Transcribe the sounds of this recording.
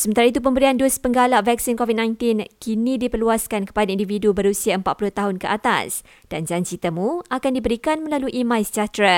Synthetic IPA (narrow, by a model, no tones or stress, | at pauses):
səmənt̪aɾait̪̬up̬əmbəɾianduspəŋɡalaʔvɛk̚sinkovid̚nãjnt̪inkinĩdipərluaskankə̥padaindividubəɾusiaəmpat̪̚pulʊht̪aɦʊnkəʔat̪a̰s | d̥and͡ʒant͡ʃit̪əmuakandibəɾikanmə̃laluʔimãjsə̥d͡ʒat̪ɾa